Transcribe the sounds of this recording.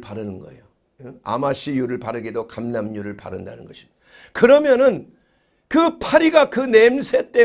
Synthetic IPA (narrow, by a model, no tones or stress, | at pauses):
paɾɯnɯnɡʌ̰ḛjo | a̰maɕijuɾɯɭpaɾɯɡidokamnamɲuɾɯɭpa̰ɾɯnda̰nɯnɡʌɕʰi̥ | kɯɾʌmjʌnɯn | kɯpʰaɾiɡakɯne̞msʰe̞t͈e̞